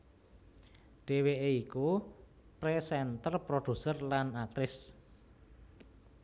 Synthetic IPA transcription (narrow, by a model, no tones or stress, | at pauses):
ɖ̥e̤weʔeiku | pɾesɛnt̪ərpɾoɖ̪̥ṳsərlanak̚t̪ɾɪs